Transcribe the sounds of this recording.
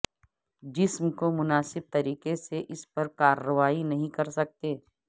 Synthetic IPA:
d͡ʒɪsmkomʊnaːsɪb̚t̪ɐɾiːkeseʔɪspɐɾkaːɾːəʋaːinɐɦĩkɐɾsɐk̚t̪eː

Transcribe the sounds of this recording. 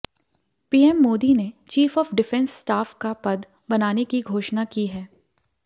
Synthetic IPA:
piːɛmːoːd̪inet͡ʃiːfɔːfɖɪfɛ̃nsːʈaːfkapɐd̪ | bɐnaːnekiɡʱoːʃnakiɦɛː

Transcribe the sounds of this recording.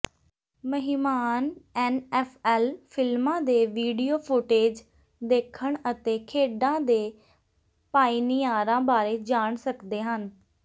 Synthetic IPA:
məɦɪmaːnɛːnɛːpʰɛːlpʰɪlmãːd̪eːʋiːɖiːoːpʰoːʈeːd͡ʒ | d̪eːkʰəɳət̪eːkʰeːɖãːd̪eː | paːiːnijaːɾãːbaːɾeːd͡ʒaːɳsəkd̪eːɦən

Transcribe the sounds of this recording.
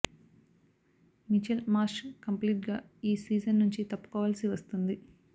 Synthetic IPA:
mit͡ʃelmaːsʃkɐmpliːʈɡaːiːsiːd͡ʒɐnːuɲt͡ʃit̪ɐpːu̥kɔːʋaːlsiʋɐst̪und̪i

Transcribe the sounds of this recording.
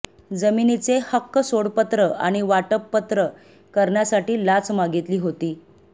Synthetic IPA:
d͡zəminit͡sehəkːəsoɽpət̪ɾəʔa̰ɽ̃iʋaʈəpːət̪ɾə | kəɾɳjasaʈiːlat͡smaɡit̪liːɦot̪iː

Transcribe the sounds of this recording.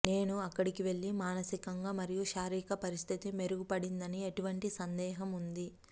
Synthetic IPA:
ne̞ːnuɐkːɐɽikiʋe̞ɭːimaːnɐsikɐŋɡaːmɐɾijuʃaːɾiːkɐpɐɾist̪ʰit̪ime̞ɾuɡupɐɽind̪ɐnieʈuʋɐɳʈisɐnd̪ɛːɦɐmund̪i

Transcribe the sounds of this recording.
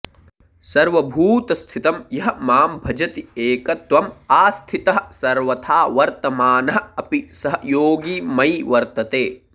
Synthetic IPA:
sɐɾʋɐbʱuːt̪ɐst̪ʰit̪ɐmjɐɦɐ̆maːmbʱɐd͡ʒɐt̪ieːkɐt̪ʋɐmaːst̪ʰit̪ɐɦɐsɐɾʋɐt̪ʰaːʋɐɾt̪ɐmaːnɐɦɐ̆ɐpisɐɦɐjoːɡiːmɐjʋɐɾt̪ɐt̪eː

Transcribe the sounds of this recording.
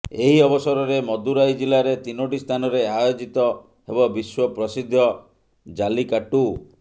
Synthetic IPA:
eɦiɔbɔsɔɾɔɾemɔd̪uɾajd͡ʒilaɾet̪inoʈist̪ʰanɔɾeajod͡ʒit̪ɔ | ɦebɔbiswɔpɾɔsid̪ʱːjɔ | d͡ʒalikaʈu

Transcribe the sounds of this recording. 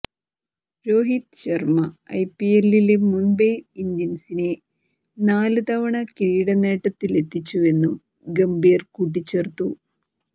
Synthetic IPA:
ɾo̞ːɦit̪ɕɐrmɐɐ̰jpːielːilemunbejind̪jɐnsine̞ | naːlɨt̪ɐʋɐɳɐkiːɽɐne̞ːʈːɐt̪ːile̞t̪ːit͡ɕːue̞nːum | ɡɐmbijrkuːʈ̬ːit͡ɕːert̪u

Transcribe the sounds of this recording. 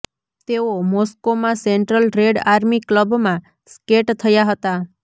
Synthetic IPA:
t̪eomɔskomãseɳʈɾəlɾeɖaɾmikləbmã | skeʈt̪ʰəjaɦət̪a

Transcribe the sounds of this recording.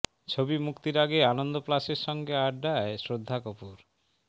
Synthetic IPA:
t͡ɕʰobimukt̪iɾaɡeanond̪oplaʃeɾʃɔŋɡeaʈɖaesɾod̪ʱːakopuɾ

